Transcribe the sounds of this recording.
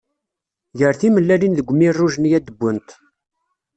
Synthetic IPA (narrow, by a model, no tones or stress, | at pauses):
ʝəɾθiməlːælinðəɡʷmirˤːuʒənjæd̪əbʷːənt̪